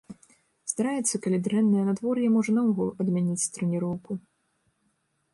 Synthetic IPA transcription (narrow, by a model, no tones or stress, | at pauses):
st̪aɾajɛt̪sːɐkɐlʲid̪ɾɛnːɐjɐnad̪vɔrjɐmɔʐɐnɐwɣɔlˠɐd̪mʲanʲit͡sʲt̪ɾɛnʲiɾɔwku